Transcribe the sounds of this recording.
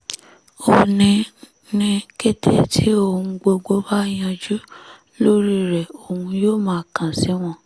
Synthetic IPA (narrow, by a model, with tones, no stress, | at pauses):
o˧˨nĩ˧ | nĩ˧ke˦tʰe˦tʰi˦o˦˧˨hũ˧ɡ͡bo˧ɡ͡bo˦ba˦j̃ã˧d͡ʒu˦ | lo˦ɾi˦ɾɛ˨o˨hũ˧joː˦˨mãː˨˦˨kã˨si˨˦w̃ɔ̃˦˨